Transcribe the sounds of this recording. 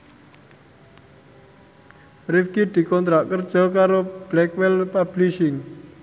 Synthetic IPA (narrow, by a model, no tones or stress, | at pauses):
rifkid̪̥i̤kɔnt̪ɾaʔkərd̥ʒ̥ɔ̤kaɾob̥lɛkwɛlpab̥liʃɪŋ